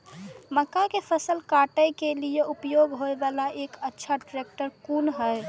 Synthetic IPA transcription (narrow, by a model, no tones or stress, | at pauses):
məkːakepʰəsəlkaʈəjkelijeʔupjoɡɦoebalaʔekətːʃʰaʈɾek̚ʈəɾkunɦəɪ